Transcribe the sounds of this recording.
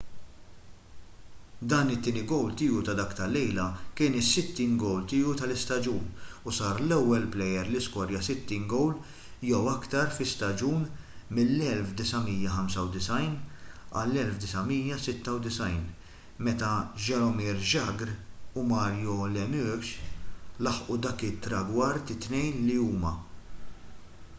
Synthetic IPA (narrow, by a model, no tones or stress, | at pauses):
d̪ɐːnɪt̪ːiːnɪɡɔwlt̪ɪːut̪ɐd̪ɐkt̪ɐlːɛjlɐkɪːnɪsːɪt̪ːiːnɡɔwlt̪ɪːut̪ɐlɪst̪ɐd͡ʒuːnusɐːɾlɛwːɛlplɛjɛɾlɪskwɔɾjɐsɪt̪ːiːnɡɔwl | jɛwɐkt̪ɐɾfɪst̪ɐd͡ʒuːnmɪlːɛlfd̪ɪsɐmiːjːɐħɐmsɐwd̪ɪsɐjnɐ̰lːɛlfd̪ɪsɐmiːjɐsɪt̪ːɐwd̪ɪsɐjn | mɛt̪ɐʒɛɾɔmiːɾʒɐɡɾumɐːɾjɔlɛmykʃlɐħʔud̪ɐːkɪt̪ːɾɐɡwɐɾt̪ɪt̪ːnɛjnliuːmɐ